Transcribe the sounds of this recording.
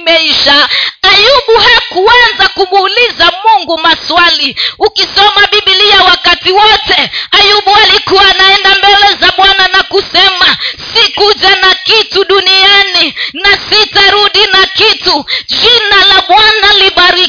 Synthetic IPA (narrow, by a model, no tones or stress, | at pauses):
mɛiʃaajuɓuhakuanzakumuːlizamuŋɡumaswaliukisɔmaɓiɓiliawakatiwɔtɛajuɓualikuwanaɛndambɛlɛzaɓwananakusɛmasikud͡ʒanakituɗunijaninasitaɾuɗinakitud͡ʒinalaɓwanaliɓaɾi